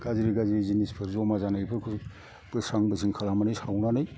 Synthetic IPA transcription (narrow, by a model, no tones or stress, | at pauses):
ɡ̥aziɾiɡaziɾizinispʰɯɾzɔmazanaɡpʰɯɾkʰ | bɯsaŋbɯsiŋkʰalamanɯjsʰawnanɯj